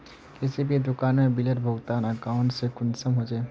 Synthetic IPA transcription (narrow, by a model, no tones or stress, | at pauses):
kesebid̪ʊkaːnmebiləʈbʱoɡt̪aːnəkaʊ̃ɳʈsekʊnsəmɦod͡ʒaː